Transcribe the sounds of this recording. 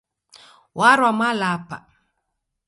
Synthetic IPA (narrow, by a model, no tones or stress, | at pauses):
waɾwamalapa̰